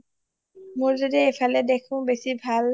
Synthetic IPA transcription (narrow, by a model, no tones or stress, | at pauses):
moɹzodiepʰalɛdekʰʊ̃besibʱal